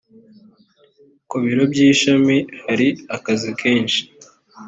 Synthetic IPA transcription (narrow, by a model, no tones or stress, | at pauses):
kuβiɾo̞bɟiːʃamihaɾiakazikʰe̞ːnʃi̥